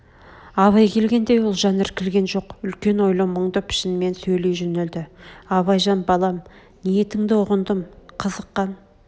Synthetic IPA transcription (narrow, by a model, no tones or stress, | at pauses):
ɑβɑjkʲʰe̞lɡʲe̞nd̪e̞jwolˠʒɑnɪɾkʲʰɪlɡʲe̞nʒo̞qʏlkʲe̞nwo̞jlˠəməɴd̪əpʰɪ̥ʃɪnme̞nsɵjle̞jʒɵneld̪ɪɑβɑjʒɑnbɑlˠɑm | nije̞t̪ɪŋd̪ɪʊʁənd̪əmqʰəzəqːɑn